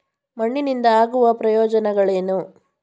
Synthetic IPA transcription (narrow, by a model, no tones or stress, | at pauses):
mɐɳːinind̪ɐaːɡuʋɐpɾɐjɔːd͡ʒɐnɛɡɐɭeːnu